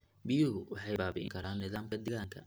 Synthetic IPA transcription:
bɪjʊɦʊwɑħɑjbaːbḭŋkʰɐɾaːnɪðaːmkʰɐd̪ɛɣaːŋkʰɐ̰

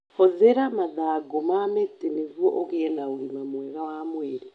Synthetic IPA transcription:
oðeɾamaðaːɡomametenevwɔʔoɣeɛnaoɾimamwɛɣawamweɾe

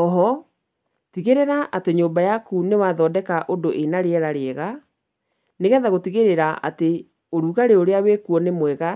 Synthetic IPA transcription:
ɔɦɔ | tiɣeɾeɾaʔateɲoːmbajakunewaːðɔːdɛkaʔondoʔenaɾeɛɾaɾeɛɣa | neɣɛðaɣotiɣeɾeɾaʔa̰te | oɾuɣaɾeoɾeawekuɔnemwɛɣa

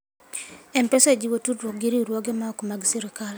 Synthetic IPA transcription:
ɛmpesed͡ʒiwotudɾwok̚ɡiɾiɾwɔɡemaokmaɡsiɾɪkal

